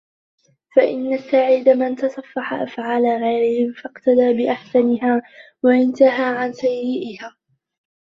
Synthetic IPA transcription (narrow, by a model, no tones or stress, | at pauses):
faʔɪ̰nːasaʕiːd̪amant̪ɑsˤɑfːɑħa̰ʔa̰fʕaːlaːɣajɾɪhɪmfɑqt̪ad̪aːbɪʔaħsanɪɦaː | waʔɪnt̪aɦaːʕansajːɪʔɪhaː